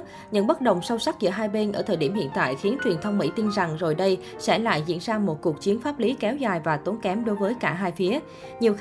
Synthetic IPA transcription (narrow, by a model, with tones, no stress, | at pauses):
ɲɨ̰˧˥ŋɓə˦˥t̚ɗə̰˨˩wŋ͡msɔ˧wsa˦˥k̚zɨ̰˧˥əɦaː˧jɓe˧nʔəː˧˩t̪ʰəː˨˩ɗi˧˩əmhḭ˧˨nt̪a̰ː˧˨jxi˨˦ənt͡ɕwi˨˩ənt̪ʰə˧wŋ͡mmḭ˧˥t̪i˧nza˨˩ŋzo˨˩jɗə˧j | sɛ̰˧˥la̰ː˧˨jzḭ˧˥ənzaː˧mo˨˩t̚ku˨˩ək̚t͡ɕi˨˦ənfaː˦˥p̚li˨˦kɛ˨˦wzaː˨˩jvaː˨˩t̪o˨˦nkɛ˨˦mɗo˨˦jvəː˨˦jkaː˧˩ɦaː˧jfi˨˦ə | ɲi˨˩əw